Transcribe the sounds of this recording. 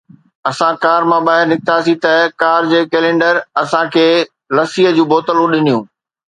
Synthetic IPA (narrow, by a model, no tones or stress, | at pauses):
ɐsãkaːɾmãɓaːɦɪɾnɪk̚t̪asit̪ɐkaːɾd͡ʑeːkɛːlẽːɳɖəɾɐsãkʰeː | lɐsiːɦəd͡ʑũːboːt̪əlũɗɪnijũː